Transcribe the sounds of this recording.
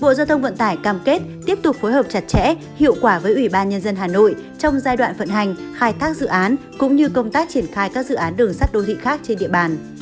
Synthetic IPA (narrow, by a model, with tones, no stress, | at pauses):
ɓo̰˧˨za˧wt̪ʰə˧wŋ͡mvə̰˧˨nt̪aː˧˩jkaː˧˩mke˦˥t̚t̪i˦˥əp̚t̪ʊ˨˩k͡p̚fo˨˦jɦəː˨˩p̚t͡ɕa˨˩t̚t͡ɕɛ̰˧˥ | hḭ˧˨ə˨wkwaː˧˩vəː˨˦jʔwi˧˩ɓaː˧nɲə˧nzə˧nɦaː˨˩no̰˧˨jt͡ɕɔ˧wŋ͡mzaː˧jɗwa̰ː˧˨nfə̰˧˨nɦa˨˩jŋ̟xaː˧jt̪ʰaː˦˥k̚zɨ̰˧˨ʔaː˨˦n | kʊ̰˧˥ŋ͡mɲɨ˧kə˧wŋ͡mt̪aː˦˥k̚t͡ɕi˧˩ənxaː˧jkaː˦˥k̚zɨ̰˧˨ʔaː˨˦nɗɨ˨˩əŋsa˦˥t̚ɗo˨˧˦t̪ʰḭ˧˨xaː˦˥k̚t͡ɕe˧nɗḭ˧˨əɓaː˨˩n